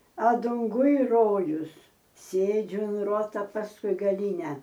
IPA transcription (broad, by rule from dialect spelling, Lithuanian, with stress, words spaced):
ɐ dʊŋˈɡʊj ˈroːjʊs ˈsʲeːd͡ʒʲʊ ʊn ˈruɔtɐ pɐsˈkʊɪ ɡɐˈlʲiːnʲɛ